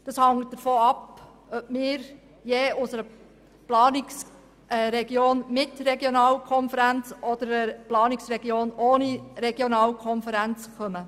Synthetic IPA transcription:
d̥ɑshɑŋt̚d̥əɾfoːɑp | œb̥mɪːɾ | jeːʊsəɾə | plɑːnɪks | ɾɛɡjoːnmɪtɾɛɡjonɑːlkʰɔnfəɾænt͡sɔd̪əɾəplɑːnɪksɾɛɡjoːnoːniɾɛɡjonɑːlkʰɔnfəɾænt͡skœmə

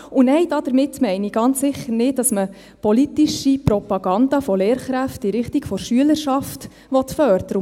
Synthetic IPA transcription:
ʊnɛɪd̥ɑd̥əɾmɪtːmɛɪniɡ̥ɑnt͡ssɪχːəɾnɪddɑsmə | pɔlit̪iʃipɾɔpɑɡ̥ɑndɑfɔleːɾχɾæftiɾɪχtiɡfɔɾʃyələɾʃɑft | ʋɔt̪fœɾd̥̪əɾə

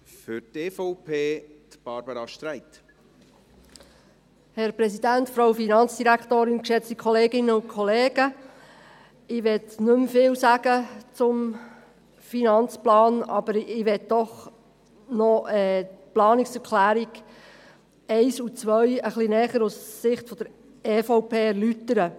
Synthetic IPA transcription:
fʏɾteːfɔʊpʰeːt̪b̥ɑɾbəɾɑʃt̪ɾæɪt̪ | hɛɾpɾɛsidæntfɾoʊfinɑnt͡sd̥iɾæktoːɾɪnkʃɛt͡stikʰχɔleːɡɪnəʊnkʰɔleːɡ̥ə | ɪʋɛtnʉmfɪːlsæɡ̥ət͡sʊm | finɑnt͡splɑːnɑ̰b̥əɾɪʋɛt̪̚d̥ɔχ | nɔɛːplɑːnɪksɛɾkʰlæːɾiɡ̥ | ɛɪsut͡sʋœjəχlinɛːχəɾusːɪχtfɔd̥̪əɾ | eːfoʊpʰeːɛɾlytːəɾə

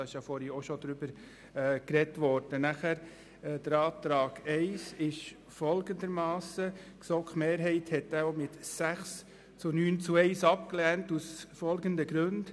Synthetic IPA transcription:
ɑɪʃjɑfɔɾioʃɔd̪ɾʏbəɾ | kɾɛtʋɔɾd̥ənæχæɾ | ɛd̥əɾɑːt̪ɾɑːɡ̥ɛɪsɪʃ | fɔlɡənd̪əɾmɑːsəksɔkχmeːɾɦɛɪthɛtːæomɪtsæχs | t͡sunyːnt͡suɛɪsɑp̚klɛːntusfɔlɡənd̪əɡɾʉnd̥

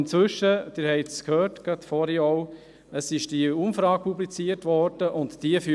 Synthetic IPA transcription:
nt͡sʋʏʃəd̥ɪːɾhɛɪtskhøːɾtɡ̥ɑtfɔɾiɔʊ | əsɪʃd̥iumfɾɑːk̚pʰublit͡siəɾtʋɔɾd̥əʔʊntd̥iəfy

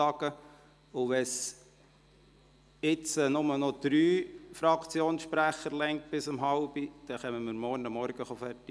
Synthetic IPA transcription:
ɑɡ̥ə | ʊʋɛs | ɪt͡sənʊmənɔd̪̥ɾyːfɾɑkʰt͡sjoːnsʃpɾæχəɾlɛŋt̚b̥ɪsəmɦɑʊb̥id̥ɛχœməməɾmɔɾnəmːɔɾɡ̥əχɔfɛrti

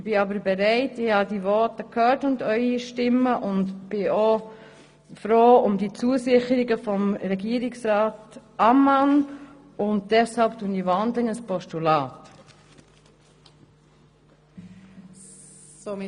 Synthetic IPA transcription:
b̥ɪɑbəɾbɛɾɛɪtɪhɑdivɔtəkʰhœːtʊndœʏiʃtɪmːəʔʊndb̥ɪoː | fɾoːʊmdit͡suəsɪχəɾɪɡəfɔmɾɛɡiːəɾɪksɾaːtɑman | ʊnt̚d̥ɛshɑlp̚tuənivɑndlɪŋəspɔstulɑːt | soː

